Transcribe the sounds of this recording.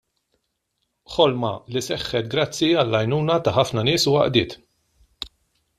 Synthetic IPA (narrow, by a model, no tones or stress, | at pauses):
ħɔlmɐlisɛħːɛt̪̚ɡɾɐt͡sːiɐlːɐjnuːnɐt̪ɐħɐfnɐnɪːsʊwɐ̰ʔd̪ɪːt̪